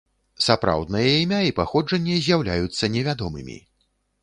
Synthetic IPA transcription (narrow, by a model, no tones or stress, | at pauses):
sapɾa̰wd̪nɐjɐimʲaipaxɔd͡ʐɐnʲːɛzʲjawlʲajut̪sːɐnʲɛvʲad̪ɔmɨ̰mʲḭ